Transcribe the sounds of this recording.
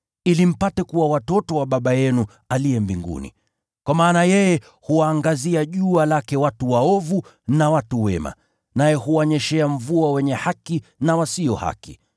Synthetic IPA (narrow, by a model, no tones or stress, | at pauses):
ilim̩patɛkuwawatɔtɔwaɓaɓajɛnu | aliɛmbiŋɡṵnḭ | kwamaːnajɛjɛ | huaːŋɡaziaʄualakɛwatuwaɔvu | nawatuwɛ̰ma̰ | najɛhuwaɲɛʃɛaɱ̩vuawɛɲɛhakinawasiɔha̰ki